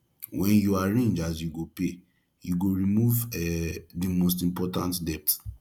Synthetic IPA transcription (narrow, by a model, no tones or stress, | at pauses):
wʔɛ̃njuaɹẽnd͡ʒas̬juɡope | juɡoɾimuvɛdimos̬tĩmpɔtãntdɛp̚t